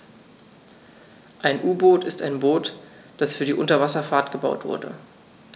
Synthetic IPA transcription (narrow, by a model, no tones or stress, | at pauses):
ʔaɪnʔuːboːtɪstaɪnboːt | d̥asfyːɐdiːʔʊntɐvasɐfaːɐtɡ̥əbaʊtv̥ʊ̰ɐdə̰